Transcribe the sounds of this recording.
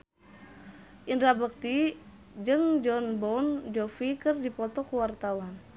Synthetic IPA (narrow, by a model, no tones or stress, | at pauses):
ʔindɾabək̚t̪i | d͡ʒɨŋd͡ʒɔnbɔnd͡ʒɔfikərdipɔt̪ɔkuwart̪awan